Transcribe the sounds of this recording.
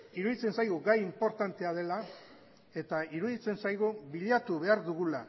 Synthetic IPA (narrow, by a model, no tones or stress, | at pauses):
iɾuð̞it͡se̞nsajɣuɡajimpo̞ɾt̪ant̪e̞að̞e̞la | e̞t̪aiɾuðit͡se̞nsajɣuβiʎat̪uβe̞aɾðuɣ̞ula